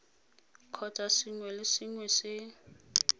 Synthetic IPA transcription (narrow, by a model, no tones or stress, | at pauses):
kʰɔt͡sʼasɪŋwɛlɪsɪŋwɛsɪ